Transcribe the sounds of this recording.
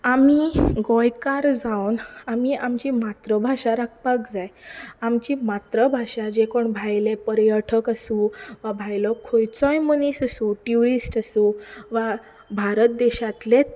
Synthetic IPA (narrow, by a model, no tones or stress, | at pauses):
amiɡɔjkaɾd͡zawnamiʔamt͡ɕiːmat̪ɾəbʱaɕaɾak̚pakd͡zajamt͡ɕiːmat̪ɾəbʱaɕad͡ʑekoɳbʱajlepəɾjəʈʰəkasũʋabʱajlɔkʰojt͡sɔjmənisasũʈjuɾisʈəsũʋa | bʱaɾət̪̚d̪eɕat̪let̪